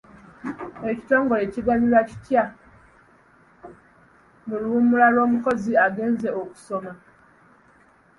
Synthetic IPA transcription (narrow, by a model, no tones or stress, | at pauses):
eci̥to̞ːŋɡo̞leciɡaɲilwaci̥tja | muluumulalwo̞ːmuko̞ziaɡe̞ːnze̞oku̥soma